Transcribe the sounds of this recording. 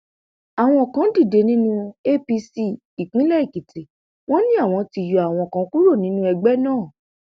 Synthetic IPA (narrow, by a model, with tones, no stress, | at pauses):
a˨w̃ɔ̃˧˨kã˨˦di˦˨de˨˧nĩ˦nũ˦e˦pi˧si˦ | i˨k͡pĩ˨˦lɛ˦i˦˨ki˨te˨ | w̃ɔ̃˦nĩ˦a˦˨w̃ɔ̃˧ti˧˨ju˨a˨w̃ɔ̃˧˨kã˧˦ku˦ɾo˦˨nĩ˨˦nũ˦ɛ˧ɡ͡bɛ˦nãː˦˨